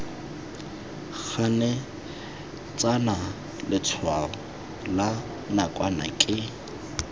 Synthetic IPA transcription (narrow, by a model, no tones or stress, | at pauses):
ɣʰanɛ | t͡sana | lɪt͡sʰwaɔ | la | nakʼwana̰kʼɪ